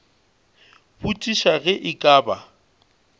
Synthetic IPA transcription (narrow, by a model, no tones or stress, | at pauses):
butʼiʃaɣɛʔɪkʼaːba